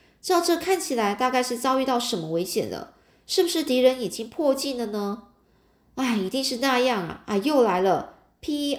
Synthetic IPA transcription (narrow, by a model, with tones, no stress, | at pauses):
ʈ͡ʂɻ̩˥ɑ˥˧ʊʈ͡ʂɤ˥˧kʰa˥˩nt͡ɕʰi˨˩la˧˥ɪt̪a˥˧ka˥˧ɪʂɻ̩˥˩t͡sɑ˥ʊy˥˧t̪ɑ˥˩ʊʂə˧˥nmə˧we˧˥ɪɕjɛ̰˨˩nd̪ə̰˦ | ʂɻ̩˥˩bu˧˩ʂɻ̩˥˩t̪i˧˥ɻə˧˥nji˨˩t͡ɕi˥ŋpʰwɔ˥˧t͡ɕi˥˩nd̪ə˨nə˧ | a˥˩ɪi˧˥t̪i˥˧ŋʂɻ̩˥˧na˥˧jɑ˥˩ŋɐ̰˩a˥˧ɪjo˥˩ʊla˧˥ɪlə˧ | pʰi˥